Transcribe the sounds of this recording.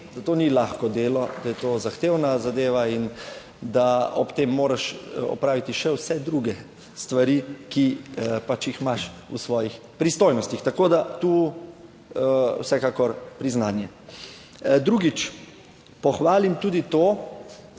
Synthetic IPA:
d̪at̪oːnilaxkɔd̪eːlɔd̪ajɛt̪ozaxt̪eːwnazad̪eːʋain | d̪aɔpt̪eːmːoːɾaʃɔ̰pɾaːʋit̪iʃɛwsɛd̪ɾuɡɛ | st̪ʋaɾikipat͡ʃjixmaʃṵsʋɔːjix | pɾist̪oːjnɔst̪ixt̪akoːd̪at̪u | wsɛkakɔɾpɾiznaːnjɛ | d̪ɾuːɡit͡ʃ | pɔxʋaːlimt̪uːd̪it̪oː

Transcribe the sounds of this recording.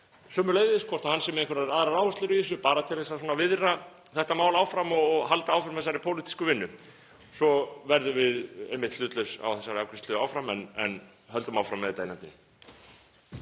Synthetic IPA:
sœːmːʏɾleːjðɪskʰɔr̥t̪ahansɛmejŋkvaɾaɾaːðɾaɾaːwvast̪lɪɾʏɪs̬ʏpaːɾat̪ʰɪlθɛsasɔːnavɪðra | θɛht̪amaːwlaːwfɾamɔɣɣɦalt̪aaːwfɾamθɛsːaɾɪpʰowlit̪i̥skʏvɪnːʏ | sɔvɛɾðʏvɪðejmɪht̪lʏːt̪lœɥsa̰wθɛsːaɾɪakʰɾɪst̪lʏawfɾamɛnɛ̰n | ɦœlt̪ʏmawfɾamːɛðt̪eːjnant̪ɪn

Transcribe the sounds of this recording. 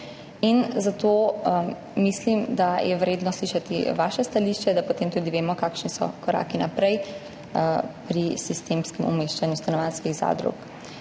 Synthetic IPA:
inzat̪o | mislimd̪ajɛwɾeːd̪nɔsliːʃat̪ḭʋaːʃɛst̪aliːʃt͡ʃɛd̪apot̪eːmt̪uːd̪iʋeːmɔkakʃnisɔ̰kɔɾa̰ːkinapɾɛj | pɾisist̪eːmskɛmɔ̰meːʃt͡ʃanjust̪anɔʋanskiɣza̰ːd̪ɾṵk

